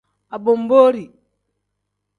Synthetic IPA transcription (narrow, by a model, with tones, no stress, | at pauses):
a˨bo˨mboː˦ɾi˨